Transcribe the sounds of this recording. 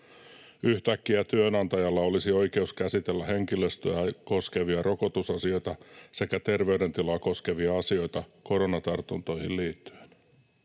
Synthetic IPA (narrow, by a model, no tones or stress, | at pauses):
yht̪ækːiæt̪yønɑnt̪ɑjɑlːɑo̞lisio̞jke̞uskæsit̪elːæhe̞ŋkilest̪øjæko̞ske̞ʋiɑrʔo̞ko̞t̪usɑsio̞jt̪ɑse̞kæt̪e̞rʋeyde̞nt̪ilɑko̞ske̞ʋiɑɑsio̞jt̪ɑko̞ɾo̞nɑt̪ɑrt̪unt̪o̞ihilliːt̪ːy̥en